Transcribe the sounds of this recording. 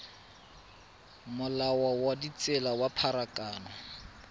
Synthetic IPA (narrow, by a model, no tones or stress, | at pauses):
mʊlawawadit͡sʼɛlawapʰaɾakʼaːnɔ